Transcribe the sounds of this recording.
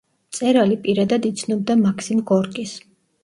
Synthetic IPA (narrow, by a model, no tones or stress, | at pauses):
t̪sʼɛɾalipʼiɾad̪ad̪it̪sʰnɔb̚d̪amakʰsimɡɔɾkʼis